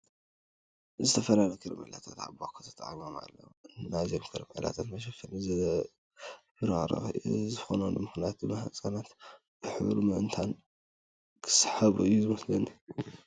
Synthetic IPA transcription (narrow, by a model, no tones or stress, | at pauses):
zɨt̪ʰɐfɐlalɐkʰɨɾɐmʕḭlat̪ʰat̪ʕa̰bakʰot̪ʰɐ̥t̪ʼa̰ʕimoma̰lːɐ̰nːazenkʰɨɾɨmʕḭla̰t̪ʰat̪mɐʃɐfɐlɨz | bɨɾa̰ɾɐ̰zɨxonanlɨmɨxnijat̪̚bɨmɐhat͡sʼanat̪ | b̥ɨħɨβlumɨʔɨnt̪ʰan | kʰɨ̥sħaβuɨjːuzɨmɐslɐni